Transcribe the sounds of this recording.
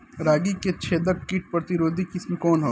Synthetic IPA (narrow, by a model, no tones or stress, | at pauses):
ɾaːɡiket͡ʃʰeːd̪ɐkkiʈ̚pɾɐt̪ɪɾoːd̪ʱikɪsmikɔːnɦoː